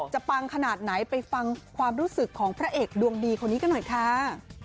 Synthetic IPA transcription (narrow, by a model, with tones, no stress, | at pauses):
t͡ɕa˨˩pa˧ŋkʰa˧naː˨˩t̪̚na˩˦jpa˧jfa˧ŋkʰwaː˧mɾuː˦˥sɯ˨˩kʰːɔː˩˦ŋpʰɾa˦˥ʔeː˨˩k̚du˧əŋdiː˧kʰo˧nːiː˦˥ka˧˥˩nɔ˨˩jkʰaː˦˥